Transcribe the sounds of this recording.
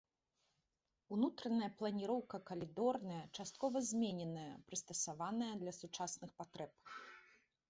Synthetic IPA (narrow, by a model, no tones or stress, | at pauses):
unut̪ɾɐnɐjɐplˠɐnʲiɾɔwkɐkɐlʲid̪ɔrnɐjɐt͡ʂast̪̚kɔvɐzʲmʲenʲɛnɐjɐpɾɨst̪ɐsavanɐjɐd̪lʲɐsut͡ʂasnɨxpat̪ɾɛp̚